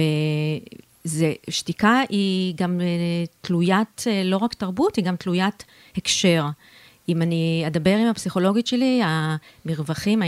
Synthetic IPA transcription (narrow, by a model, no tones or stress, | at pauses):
e | zeʃtikaʔiɡametlujat̪lo̞ʁaktaʁbutiɡamt̪lujat | hekʃe̞ʁ | imanied̪abe̞ʁimapsiχo̞lo̞ɡitʃe̞liamiʁvaχima